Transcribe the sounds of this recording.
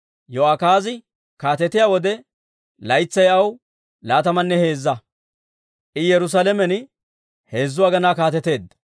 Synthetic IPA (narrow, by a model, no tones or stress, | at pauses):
jɔɐkaːzɪ | kaːt̪ɛt̪ːɪjaːwɔd̪ɛ | lɐjt͡sːɐjɐw | laːt̪ɐmɐnːɛhe̞ːzːɐ | ʔɪjɛɾʊs̬aːlɛmɛn | he̞ːzːʊwaːɡɐnaːkaːt̪ɛt̪e̞ːd̪ːɐ̥